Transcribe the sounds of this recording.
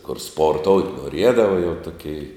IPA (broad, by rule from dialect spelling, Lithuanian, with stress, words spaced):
kʊr ˈspoːrˌtoːʊtʲ noːˈrʲiɛdɐʋɐ jɛʊ ˈtʊˌkʲɛɪ